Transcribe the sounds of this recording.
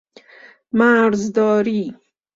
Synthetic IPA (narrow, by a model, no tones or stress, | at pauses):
maɾzd̪ɔːɾi